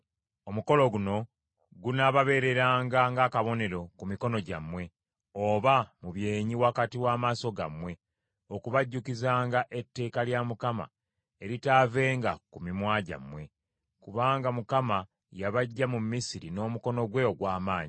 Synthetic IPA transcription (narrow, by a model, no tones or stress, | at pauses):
o̞muko̞lo̞ɡuno̞ | ɡunaβaβe̞ɾe̞ɾaːŋɡaŋɡakaβo̞ne̞ɾo̞kumiko̞no̞ɟa̰mwe̞ | o̞βamuβje̞ːɲiwakatiwaːmaːso̞ɡamwe̞ | okuβaɟːukizaːŋɡaʔe̞tːe̞ːkaljamukama̰ | e̞ɾitave̞ːŋɡakumimwaːɟa̰mwe̞ | kuβaːŋɡamukama | jaβaɟːamumːisiɾino̞ːmuko̞no̞ɡwe̞oɡwaːmaːɲi